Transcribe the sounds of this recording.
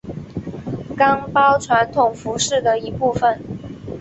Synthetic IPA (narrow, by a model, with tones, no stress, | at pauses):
kɑ˥ŋpɑ˥ʊʈ͡ʂʰwa˧˥nt̪ʰʊ˨˩ŋfu˧˥ʂɻ̩˥˩d̪ə˩i˧˥pu˥˩fə˨˩n